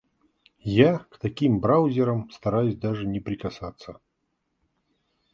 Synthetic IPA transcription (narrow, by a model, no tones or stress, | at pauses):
jakt̪ɐkʲimbɾawzʲɪɾəmst̪ɐɾajʊsʲd̪aʐɨnʲɪpɾʲɪkɐsat̪sːə